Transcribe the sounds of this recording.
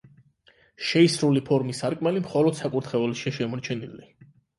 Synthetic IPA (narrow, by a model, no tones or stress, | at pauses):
ʃɛisɾulipʰɔɾmisaɾkʼmɛlimχɔlɔd̪̥sakʼuɾt̪ʰχɛɔlɛʃiaʃɛmɔɾt͡ʃʰɛnili